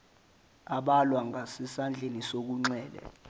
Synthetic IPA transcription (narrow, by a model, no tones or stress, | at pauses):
aɓalwaŋɡʱasɛsand͡ɮʱenisok̬uŋ͡ǀɛːlɛ̰